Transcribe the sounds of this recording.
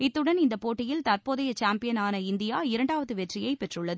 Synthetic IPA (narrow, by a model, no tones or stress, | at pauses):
ɪt̪ːɯɽɐnɪnd̪ɐpoːʈːɪjɪlt̪ɐɾpoːðɐjɐt͡ʃaːmpɪjɐnaːnɐɪnd̪ɪjaːɪɾɐɳɖaːʋɐðɯʋɛʈrɪjɐɪpɛʈrɯɭːɐðɯ